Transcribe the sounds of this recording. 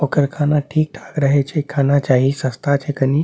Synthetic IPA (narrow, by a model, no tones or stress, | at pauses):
oːkəɾkʰaːnaʈʰiːk̚ʈʰaːkɾəɦet͡ʃʰekʰaːnat͡ʃaːɦisəst̪ʰat͡ʃʰekəni